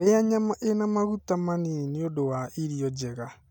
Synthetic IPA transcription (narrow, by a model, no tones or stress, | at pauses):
eaɲamaʔenamaɣutamaniineodowaʔiɾiɔd͡ʒeɣa